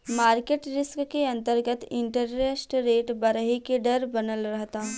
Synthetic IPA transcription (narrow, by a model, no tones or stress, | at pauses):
maːɾkeːʈɾɪskkeɐ̃nt̪əɾɡət̪ɪ̃ɳʈəɾɾesʈɾeːʈbɐɾəɦikeɖɐɾbɐnəlɾɐɦt̪aː